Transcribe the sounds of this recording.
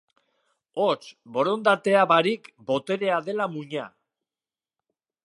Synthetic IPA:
ot͡ʃbo̞ɾo̞nd̪at̪e̞aβaɾikbo̞t̪e̞ɾe̞aðe̞lamuɲa̰

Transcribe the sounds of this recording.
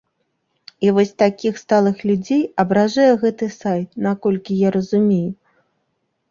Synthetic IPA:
ivɔsʲt̪akʲixst̪alˠɨxlʲud͡zʲejɐbɾaʐajɛɣɛt̪ɨsajt̪̚nakɔlʲkʲijaɾɐzumʲeju

